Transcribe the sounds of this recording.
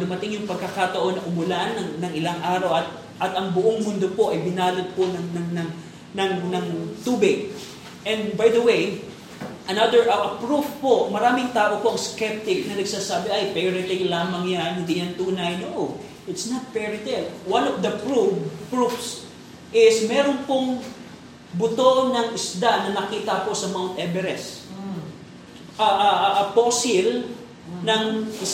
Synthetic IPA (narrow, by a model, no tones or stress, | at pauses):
d̪ʊmɐt̪ɪŋjʊŋpɐɡ̚kɐkat̪ɐʔo̞nːɐʔʊmʊlaʔnːɐŋnɐŋʔɪlaŋʔaːɾɐwʔɐt̪̚ | ʔɐt̪ɐŋbʊʔoŋmʊnd̪opo̞ʔɐjbɪnaːlot̪̚ponɐŋnɐŋnɐŋ | nɐŋnɐŋt̪uːbɪɡ̚ | ʔɛ̃nd̪bajd̪ɐwej | ʔɐnad̪əɹʔɐʔɐpɹufpoʔmɐɾaːmɪŋt̪aːʔo̞poʔɐŋskɛp̚t̪ɪk̚nɐnɐɡ̚saːsaːbɪʔɐjpɛɾɪt̪ɪŋlaːmɐŋjanhɪnd̪ijɐnt̪uːnɐjnoʔo | ʔɪt̪snɐt̪̚pɛɹɪt̪ɛvwãnovd̪ɐpɹupɹufs | ʔɪsmɛːɾonpoŋ | bʊt̪onɐŋʔɪsd̪anɐnɐkiːt̪ɐko̞sɐmawnt̪ʔɛbɛɾɛs | ʔaʔaʔʔɐposɪl | nɐŋ